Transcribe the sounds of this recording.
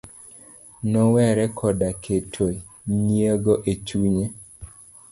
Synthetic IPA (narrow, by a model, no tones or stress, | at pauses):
nɔwɛɾɛkʰɔdakʰetʰo | nieɡoʔet͡ʃuɲe